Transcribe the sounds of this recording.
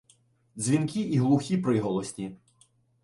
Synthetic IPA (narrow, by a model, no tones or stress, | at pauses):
zʲʋʲinkʲiiɦlˠuxʲipɾɪɦɔlˠɔsʲtʲi